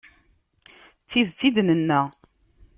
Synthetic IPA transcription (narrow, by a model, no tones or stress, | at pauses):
t͡sːiðt͡sːid̪nənːæ